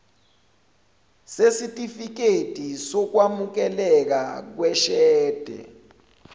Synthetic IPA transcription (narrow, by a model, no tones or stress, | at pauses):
sesitʼifik̬etʼisɔk̬wamuk̬ɛlɛk̬ak̬wɛʃɛːd̥ʱɛ̰